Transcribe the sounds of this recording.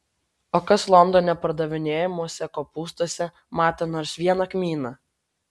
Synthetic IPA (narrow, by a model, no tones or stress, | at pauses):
oːkɐslˠɔnd̪ɔnʲɛpɐɾd̪ɐʋʲɪnʲeːjɛmuɔsʲɛkoːpuːst̪oɔsʲɛ | mɑːt̪ʲeːnoːɾsʋʲiɛnɐkmʲiːnɐ